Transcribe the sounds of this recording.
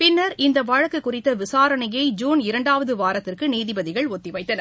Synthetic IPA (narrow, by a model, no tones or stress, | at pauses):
pɪnːɐɾɪnd̪ɐʋɐɻɐkːɯkːʊrɪt̪ːɐʋɪsaːɾɐnɐjɐɪd͡ʒuːnɪɾɐɳɖaːʋɐðɯʋaːɾɐt̪ːɪrkɯniːðɪbɐðɪɣɐɭɔt̪ːɪʋɐɪt̪ːɐnɐ